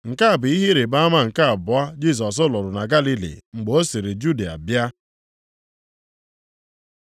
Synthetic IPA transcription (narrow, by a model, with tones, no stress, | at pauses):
ŋ̩˨ka˦a˨bʊ˨i˦ɦi˦ɾe˨ba˦ma˦ŋ̩˨ka˦a˨bʊ˨a˦d͡ʒi˦s̬ɔ˨s̬ʊ˦lɔ˨ɾʊ˨na˨ɡa˦li˦lḭ˨ŋ͡m̩˨ɡ͡bo˦si˨ɾi˨d͡ʒu˦di˨a̰˨bja˦